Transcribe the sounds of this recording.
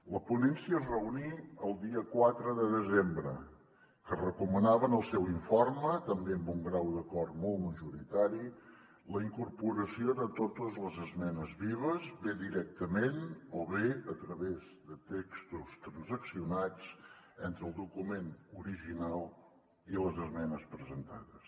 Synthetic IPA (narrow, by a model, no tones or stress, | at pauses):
ləpunɛnsiəzrəuniəlˠd̪iəkwat̪ɾəðəðəzembɾə̰ | kərəkumənaβənəlˠsɛwiɱformət̪əmbeəmbuŋɡɾawd̪əkɔrt̪mɔlˠməʒuɾit̪aɾi | ləiŋkuɾpuɾəsioðət̪ot̪əzləzəzmɛnəzβiβ̞əzβeðiɾɛk̚t̪əmenoβeət̪ɾəβezðət̪ekst̪ust̪ɾənzəksiunad͡z | ɛnt̪ɾəːlˠd̪ukumenuɾiʒinalˠ | iləzəzmɛnəspɾəzənt̪aðəs